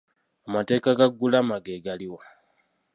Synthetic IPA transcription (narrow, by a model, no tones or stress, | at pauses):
amate̞ːkaɡaɡːulamaɡeɡaliwa